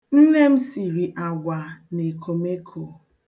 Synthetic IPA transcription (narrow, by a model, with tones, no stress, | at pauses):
n̩˦ne˦m̩˦si˨ɾi˨ʔa˨ɡʷa˨ne˨ko˨me˦kʰo˨